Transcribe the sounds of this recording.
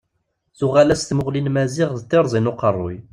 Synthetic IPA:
θuʁælæst̪mʊʁlinmæziʁðt̪ːeɾˤzˤinuqərˤːo̰j

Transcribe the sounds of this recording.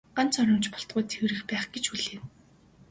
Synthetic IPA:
ɢan̥t͡sœɾʲɞ̆mt͡ɕpɔ̥ɬt̪̚ɢʊːt̪ʰewɾɘ̆xpæːχɡ̥et͡ɕxuɮeːn

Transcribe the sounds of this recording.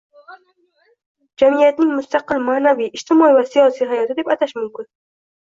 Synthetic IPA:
d͡ʒamijat̪nɪŋmʊst̪aqɪlmaːnaviʔːd͡ʒt̪ʰɪmɒivasijɒsiɦajɒt̪ʰɪd̪ebat̪ʰaʃmʊmkʰʊn

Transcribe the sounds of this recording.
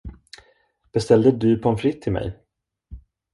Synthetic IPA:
b̥ɛst̪ɛld̪əd̪ɵpʰɔɛnfɾɪt̪ʰːɪlmɛ̰j

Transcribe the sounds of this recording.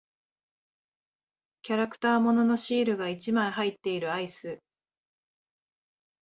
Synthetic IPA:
kʲaɾakɯ̟̥t̪aːmo̞no̞no̞ɕiːɾɯ̟ɡait͡ɕimaiɦait̪ːe̞iɾɯ̟aisɨ

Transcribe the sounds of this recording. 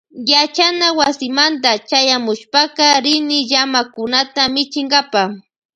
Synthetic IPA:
jat͡ʃanawasɪmant̪̬at͡ʃajamʊʃpakaɾɪnɪʎamakʊnat̪amɪt͡ʃɪŋɡapa

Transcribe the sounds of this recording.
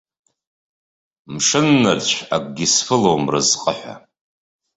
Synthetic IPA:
mʂɨnːɨrt͡ɕʷʰa̰kʷʼɡʲisfɨlowmrɨzqʼə̰ħʷa̰

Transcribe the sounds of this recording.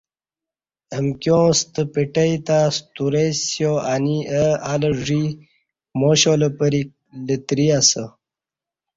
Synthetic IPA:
əmkjõːst̪əpeʈəit̪ast̪uɾesjoaniəaləʐi | moɕoləpəɾik̚ | lət̪ɾiasə

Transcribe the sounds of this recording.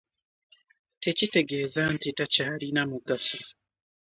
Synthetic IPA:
tecite̞ɡezantitacaːlinamuɡaso

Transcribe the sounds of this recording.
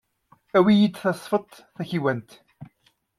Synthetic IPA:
æwijit͡s̪ːθɑsˤfət̪ˤ | θæçiwænt̪

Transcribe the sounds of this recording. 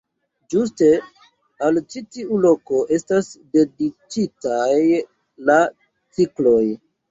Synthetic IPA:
d͡ʒus̬te̞ | alt͡ʃitiulo̞ko̞ʔe̞stasde̞dit͡ʃitaj | la | t͡siklo̞j

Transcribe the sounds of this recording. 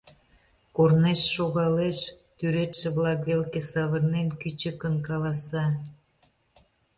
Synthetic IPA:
korneʃːoɣɑleʃ | t̪yɾet̪ʃĕβlɑkβelkesɑβərnenkyt͡ɕəkənkɑlɑsɑ

